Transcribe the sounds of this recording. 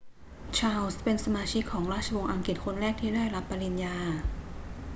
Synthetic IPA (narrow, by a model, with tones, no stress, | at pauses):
t͡ɕʰaː˧wspe˧nsa˧maː˧t͡ɕʰi˦˥kʰːɔː˩˦ŋɾaː˥˩t̪̚ʰa˧wo˧ŋʔa˧ŋki˨˩t̪̚kʰo˧nɾɛː˥˩k̪̚ʰiː˥˩daː˥˩jɾa˦˥pːa˧li˧njaː˧